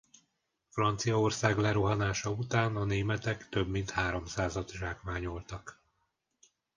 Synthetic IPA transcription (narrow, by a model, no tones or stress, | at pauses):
frɒnt̪sijɒorsaːɡlɛɾuɦɒnaːʃɒut̪aːnɒneːmɛt̪ɛkt̪ø̞bmin̪t̪haːɾo̞msaːzɒt̪ʒaːkmaːɲolt̪ɒk